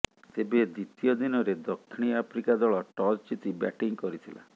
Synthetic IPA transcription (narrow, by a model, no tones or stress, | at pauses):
t̪ebed̪it̪ijɔd̪inɔɾed̪ɔkʰːiɽ̃iapʰɾikad̪ɔɭɔʈɔd͡ʒt͡ʃit̪iba̰ʈiŋkɔɾit̪ʰila̰